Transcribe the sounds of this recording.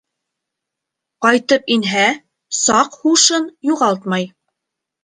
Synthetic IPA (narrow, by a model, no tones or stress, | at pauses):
qɑjt̪ɤpinɦæ | sɑqhuʃɤnjuʁɑlˠt̪̚mɑj